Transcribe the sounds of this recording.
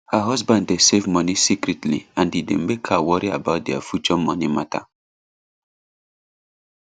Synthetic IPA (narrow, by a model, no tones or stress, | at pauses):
həɦɔsbãnddesevmɔnisikɹitlḭãndidḛ̃mekʰawɔɹiabaʊt̚dɛa̰fjut͡ʃɔmɔnimatʰa̰